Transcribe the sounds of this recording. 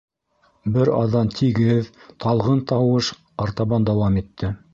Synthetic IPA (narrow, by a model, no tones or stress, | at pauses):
bɘɾɑ̰ðːɑnt̪ʰiɡɘðt̪ʰɑlˠʁɤnt̪ʰɑwɤʃ | ɑɾt̪ɑβɑnd̪ɑwɑmit̪ːɘ